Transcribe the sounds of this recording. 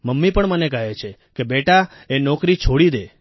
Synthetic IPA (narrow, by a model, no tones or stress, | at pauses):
məmːipəɳmənekəɦet͡ʃʰe | kebeʈa | enɔkɾit͡ʃʰoɽid̪e